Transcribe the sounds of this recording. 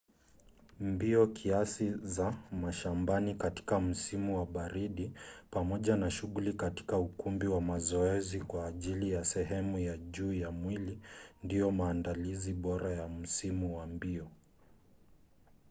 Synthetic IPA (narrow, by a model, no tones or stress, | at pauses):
mbiɔkʰiasizamaʃambanikati̥kam̩simuwaɓaɾiɗipamɔʄanaʃuɣulikati̥kaukumbiwamazɔɛzikwaːʄilijasɛɦɛmujaʄuːjamwilindijɔmaːndaliziɓɔɾajam̩simuwambiɔ